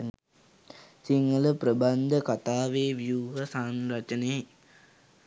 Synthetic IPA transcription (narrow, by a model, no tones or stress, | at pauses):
siŋɡələpɾəband̪ʱəkat̪aːʋeːʋjuːɦɐsanɾɐt͡ʃəneː